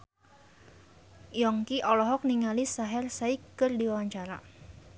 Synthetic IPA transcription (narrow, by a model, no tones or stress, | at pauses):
jɔŋkiʔɔlɔɦɔk̚niŋalisaɦɛrsaikːɨrdiwawaɲt͡ʃaɾa